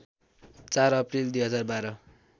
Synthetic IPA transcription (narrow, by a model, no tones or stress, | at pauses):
t͡saɾʌprild̪wjɦʌd͡zarbaɾʌ